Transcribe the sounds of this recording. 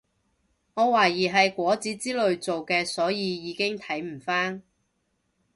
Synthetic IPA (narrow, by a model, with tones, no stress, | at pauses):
ŋɔː˨˧waː˨˩jiː˨˩ɦɐ˨jkʷɔː˨˥t͡siː˨˥t͡siː˥lɵ˨˧ɥt͡so˨wkɛː˧sɔː˨˥jiː˨˧jiː˨˧˥kɪ˥ŋt̪ʰɐ˨˥jm̩˨˩faː˥n